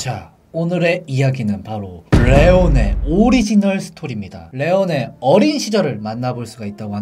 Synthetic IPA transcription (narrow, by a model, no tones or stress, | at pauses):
t͡ɕʰa | onɯɾe̞ijaɡinɯnpaɾoɭːe̞one̞̰oɾid͡ʑinʌɭsʰɯ̥tʰoɾimɲida̰ɭe̞one̞ʌɾinɕʰid͡ʑʌɾɯɭmanːaboɭs͈uɡait̚t͈aɡoɦa